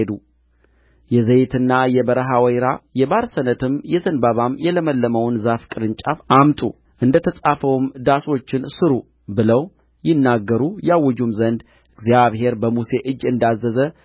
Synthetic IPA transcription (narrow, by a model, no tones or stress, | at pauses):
ed̪u | jɛzəjt̪ʰɨnːajɛbəɾəɦawəjɾajɛbaɾsənət̪ʰɨmjɛzənbaβamjɛləməlːəməwnzafkʼɨɾɨnt͡ʃʼafʔamt̪ʼṵ | ʔɨnd̪ət̪ʰəsʼafəwmd̪aso̞t͡ʃːɪnsɨɾu | bɨləw | jɪnːaɡːəɾujawːɔd͡ʒumzənd̪ | ɨɡzjaβɦe̞ɾbəmuse̞ʔɨd͡ʒːɨnd̪azːəzə